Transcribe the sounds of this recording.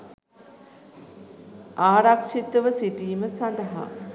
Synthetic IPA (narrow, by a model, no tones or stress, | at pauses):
aːɾakʂit̪əʋəsiʈiːməsɐnd̪əɦa̰